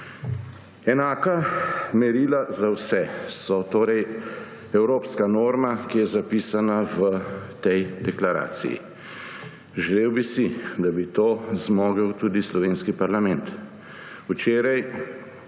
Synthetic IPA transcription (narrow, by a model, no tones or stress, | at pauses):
ɛnaːkamɛɾiːlazawsɛsɔt̪oːɾɛj | ɛwɾoːpskanoːɾmakijɛzapiːsanaʋət̪ɛjd̪ɛklaɾa̰ːsḭjḭ | ʒɛleːwbisid̪abit̪oːzmoːɡəwt̪uːd̪islɔʋeːnskipaɾlamɛnt̪ | ut͡ʃeːɾaj